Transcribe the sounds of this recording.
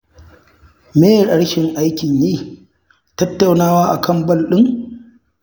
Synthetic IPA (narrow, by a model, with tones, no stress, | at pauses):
meː˦jɗɐ˦ɽʃɪ˨ŋʔa˦jkʲɪ˨ɲjiː˦ | tɐ˦tːa˨wnaː˦waː˦ʔa̰˨kʰɐ˦˨mbɐ˦lɗɪ˦ŋ